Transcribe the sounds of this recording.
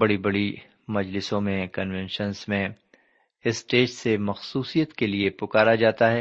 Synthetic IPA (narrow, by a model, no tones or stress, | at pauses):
bɐɽibɐɽi | mɐd͡ʒlɪsõmẽkɐnʋɛ̃nʃənzmẽ | ɪsʈeːd͡ʒsemɐxsuːsijət̪keliepʊkaːɾad͡ʒaːt̪aɦɛː